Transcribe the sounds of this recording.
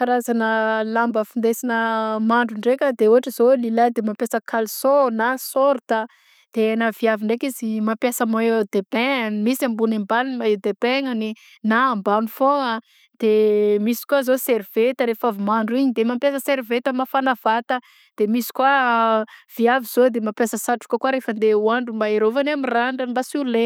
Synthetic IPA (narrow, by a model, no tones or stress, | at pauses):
aɾazanəlambəfind̪esinəmaɳɖ͡ʐuɳɖ͡ʐekʲəd̪euaʈ͡ʂəz̥olilad̪emapjasəkʰalsonasoɾt̪ə | d̪̥enaviaviɳɖ͡ʐekizimampjasəmaed̪̥ebeŋanimisambunembanmaed̪ebeŋani | naːmbanufoa | d̪̥emisi̥kuazoseɾiv̥et̪əɾefavimaɳɖ͡ʐuiɲid̪emampjasəseɾivet̪əmafanav̥at̪ə | d̪̥emisi̥kwa | v̥iaviz̥od̪emapjasəsaʈ͡ʂu̥kəkuaɾefənd̪euaɳɖ͡ʐumbaeɾovanamiraɳɖ͡ʐəimbasule